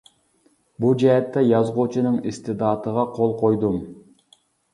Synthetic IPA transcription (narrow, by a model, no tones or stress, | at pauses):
bud͡ʒɛɦɛt̪ːɛjɑzʁot͡ʃʰunɨŋist̪ɪd̪ɑːt̪əʁɑqʰolˠqʰojd̪um